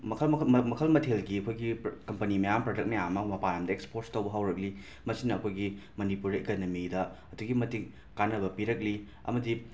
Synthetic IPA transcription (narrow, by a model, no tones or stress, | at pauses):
mɐkʰmɐkʰɐlmɐtʰelɡiɐkʰojɡikɐmpɐnimɐjampɾod͡ʒɐk̚nɐjamamɐpajamdɐekspoɾstɐwbɐɦawɾɐk̚li | mɐsinɐkʰojɡimɐnipuɾekonomidɐɐduɡimɐtikː | anɐβɐpiɾɐk̬̚li | ɐ̰mɐdi